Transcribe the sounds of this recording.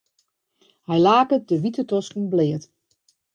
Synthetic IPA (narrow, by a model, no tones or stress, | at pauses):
hɛjlaːkədəʋitətɔskn̩blɪːət